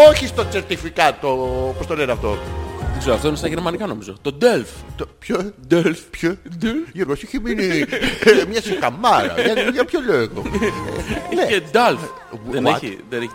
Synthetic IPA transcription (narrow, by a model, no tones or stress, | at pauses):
oçist̪ot͡seɾt̪ifikɐt̪opost̪oleɾiɐft̪oikseɾoɐft̪oinest̪ɐʝeɾmɐnikɐnomizot̪od̪elft̪opçod̪elfpçod̪ʝeɾɣosiçemini | mɲɐsikɐmːɐɾɐ̰ɐlɐpçoloɣoeneed̪ɐlf | ðwetðeneç